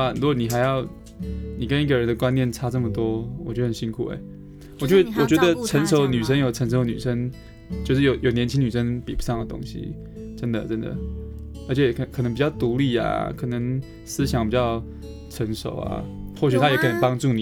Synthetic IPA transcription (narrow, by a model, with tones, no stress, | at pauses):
a˨ɻu˧˥ɡwɔ˧˩ni˨˩xa˧ɪjɑ˥˩ʊ | ni˨˩kə˥ni˥˩ɡə˩ɻə˧˥nd̪ə˨kwa˥njɛ˥˩nʈ͡ʂʰa˥ʈ͡ʂɤ˥˩mə˩t̪wɔ˥wɔ̰˨˩t͡ɕɥɛ˥ə˧hə˨˩ɕi˥ŋkʰṵ˨˩ḛ˧˥˦ɪ | wɔ˨˩t͡ɕjwɔ˨˩t͡ɕɥɛ˧˥d̪ə˧˨ʈ͡ʂʰə˧˥nʂo˧˥ʊny˨˩ʂə˥ŋjo˨˩ʊʈ͡ʂʰə˧˥ŋʂ̬o˧˥ʊny̰˨˩ʂə˥ŋ | t͡ɕjo˥˧ʊʂɻ̩˥˩jo˨˧ʊjo˨˩ʊnjɛ˧˥nt͡ɕʰi˥ŋny˨˩ʂə˥ŋpi˨˩pu˧˥ʂɑ˥˩ŋd̪ə˩t̪ʊ̰˥ŋɕḭ˨ | ʈ͡ʂə˥nd̪ə˨ʈ͡ʂə˥nd̪ə̰˨˩ə˞˧˥t͡ɕʰɛ˨˩kʰk̪ʰŋmpi˨˩t͡ɕjɑ˥˩ʊt̪u˧˥li˥˩a̰˨˩kʰɤ˨˩nə˧˥ŋ | sɹ̩˥ɕjɑ˧˥ŋpi˨˩t͡ɕjɑ˥˩ʊ | ʈ͡ʂʰə˧˥ŋʂo̰˨˩˦ʊa̰˨˩xwɔ˥˩ɕʰy˨˩t̪ʰa˥jɛ˧˥kʰnə˧˩pɑ˥ŋʈ͡ʂu˥˩ni˨